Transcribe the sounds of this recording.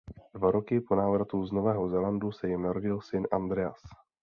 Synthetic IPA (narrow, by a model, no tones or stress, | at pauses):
d̥vaɾo̞kɪpo̞naːvɾat̪uzno̞vɛːɦo̞zɛlandusɛjɪmnaɾo̞ɟɪlsɪnʔand̪ɾɛa̰s